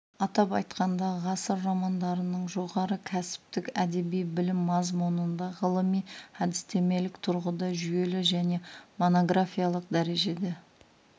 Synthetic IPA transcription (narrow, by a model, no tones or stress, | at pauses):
ɑt̪ɑpɑjt̪qɑnd̪ɑʁɑsəɾmɑmɑnd̪ɑɾənəɴʒo̞ʁɑɾəkʲʰæsɪ̥p̚t̪ɪkæd̪e̞bijbɪlɪmːɑzmunənd̪ɑʁəlˠəmijhæd̪ɪst̪e̞me̞lɪkt̪ʰʊɾʁəd̪ɑʒʏje̞lɪʒæne̞mo̞no̞ɡɾafʲijalˠəq̚d̪æɾe̞ʒe̞d̪e